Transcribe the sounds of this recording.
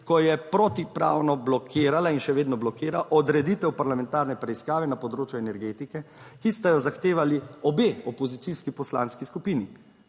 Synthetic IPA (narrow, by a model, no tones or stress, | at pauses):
kɔjɛpɾɔt̪ipɾa̰ːwnɔblɔkʰeːɾalainʃɛʋeːd̪nɔblɔkeːɾaʔɔd̪ɾɛd̪it̪ɛwpaɾlamɛ̃nt̪aːɾnɛpɾɛiskaːʋɛnapɔd̪ɾoːt͡ʃjuɛnɛɾɡeːt̪ikɛkist̪ajɔzaxt̪eːʋaliɔbeːɔpɔzit̪siskipɔsla̰ːnskiskupini